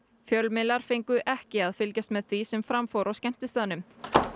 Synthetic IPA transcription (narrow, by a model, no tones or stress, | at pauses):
fjœlmɪlaɾ̥fejŋkʏʔɛhcɪaðfɪlcast̪mɛðθvisɛmfɾamfowɾawscɛm̥t̪ɪst̪aːðanʏm